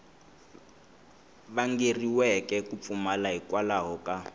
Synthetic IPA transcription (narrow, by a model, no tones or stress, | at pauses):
βaŋɡeriwɛkʼɛkup̪fumalaɦikwalaɦɔka